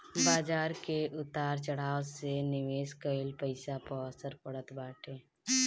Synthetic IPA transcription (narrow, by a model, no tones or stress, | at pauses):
baːd͡ʒaːɾkeʔʊt̪aːɾt͡ʃəɽ̤aːwsenɪʋeːskəɪlpəɪsapəəsəɾpəɽət̪baːʈʰeː